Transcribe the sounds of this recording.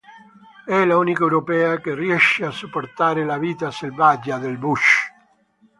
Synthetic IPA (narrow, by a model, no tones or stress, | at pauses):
ɛlaunikewɾopɛːakeriɛʃeasupːoɾt̪aːɾelaviːt̪aselvad͡ʒad̪elbuʃ